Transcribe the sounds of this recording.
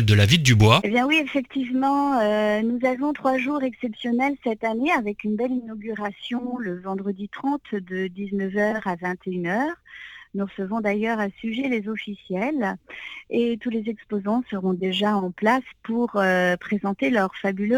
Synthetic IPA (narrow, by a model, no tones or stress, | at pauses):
ld̪əlavild̪ybwaebjɛ̃wiefɛkt̪ivmɑ̃ønuzavɔ̃t̪χwaʒuʁɛksɛpsjɔnɛlsɛt̪aneavɛkynbɛlinɔɡʲyʁasjɔ̃ləvɑ̃d̪ʁəd̪it̪χɑ̃t̪d̪əd̪iznəvœʁavɛ̃t̪ʰeynœʁnuʁəsəvɔ̃d̪ajœʁasyʒɛlezɔfisjɛl | et̪ulezɛkspozɑ̃səʁɔ̃d̪eʒaɑ̃plaspuʁøpχezɑ̃t̪elœʁfabylø